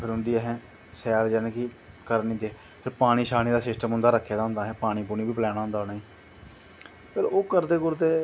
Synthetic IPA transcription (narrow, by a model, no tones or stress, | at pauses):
pʰɪɾɦʊ̃nd̪iːɛːɦɛ̃ː | sɛːɾd͡ʒɛːnẽːki | kəɾnĩːd̪eːɛ | pʰɪɾpaːɽ̃iːʃaːnĩːd̪aːsɪsʈəmʊ̃nd̪aːɾəkʰːeːd̪aːɦʊ̃nd̪aːɦɛ̃ːpaːɽ̃iːpuːniːbiːpəlɛːñaːɦʊ̃nd̪aːʊnaːiː | pʰɪɾoːkəɾd̪eːkʊɾd̪eː